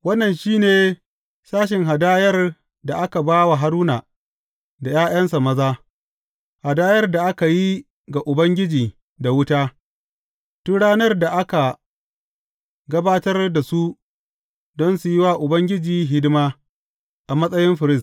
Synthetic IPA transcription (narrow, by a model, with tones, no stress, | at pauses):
wɐ˦nːɐ˨nʃiː˦neː˨ | saː˦ʃ̬ɪ˨ŋɦa˨daː˦jɐ˦r | da˨ʔa˦ka˨baː˦wa˨ɦa˦ɾuː˦na˨ | da˨jaː˦j̰ɐ˦nsa˨mɐ˦zaː˦ | ha˨daː˦jɐ˦rda˨ʔa˦ka˨ji˦ | ɡa˨ʔʊ˨bɐ˦ŋɡʲɪ˦d͡ʒiː˨ | da˨wʊ˦taː˦ | tʊ˦ɽaː˦nɐ˦rda˨ʔa˦ka˨ | ɡɐ˦baː˦tɐ˦rda˨su˦ | dɔ˦nsu˨jɪ˦waː˦ʔʊ˨bɐ˦ŋɡʲɪ˦d͡ʒiː˨ɦɪ˦dɪ˦maː˦ | ʔa˨mɐ˦sʼɐ˦jɪ˦mɸɪ˨ɾɪ˦st